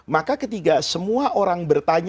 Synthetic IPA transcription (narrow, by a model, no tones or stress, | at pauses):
makakət̪iɡasəmuaʔoɾaŋbərt̪aɲ